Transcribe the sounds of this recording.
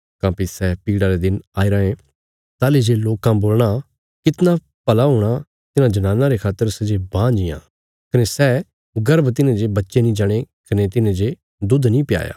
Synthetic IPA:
kãːpisɛːpiːɽaɾed̪ɪnaːiɾəẽ | t̪aːled͡ʒeloːkãboːlɽ̃a | kɪt̪na | pɐlaːɦoːɽ̃a | t̪ɪnãːd͡ʒnaːnaɾekʰaːt̪ːəɾsɛd͡ʒebãːd͡ʒɪjã̰ː | kənesɛː | ɡəɾəbt̪ɪnẽd͡ʒebətːʃenĩːd͡ʒaːɽ̃ekɐnet̪ɪnẽd͡ʒe | d̪ʊd̪nĩːpɪja̰ːja̰ː

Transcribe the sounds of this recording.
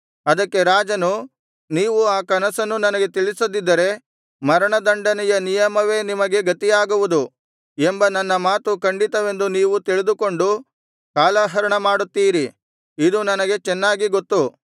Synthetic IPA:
ɐd̪ɐkːe̞ɾaːd͡ʒɐnu | niːʋuaːkɐnɐsɐnːunɐnɐɡe̞t̪iɭisɐd̪id̪ːɐɾe̞ | mɐɾɐɳɐd̪ɐɳɖɐnɛjɐnijɐmɐʋe̞ːnimɐɡe̞ɡɐt̪ijaːɡuʋud̪u | embɐnɐnːɐmaːt̪ukɐɳɖit̪ɐʋe̞nd̪uniːʋut̪iɭid̪uko̞ɳɖu | kaːlaːɦɐɾɐɳɐmaːɽut̪ːiːɾi | id̪unɐnɐɡe̞t͡ʃɛnːaːɡiɡot̪ːu

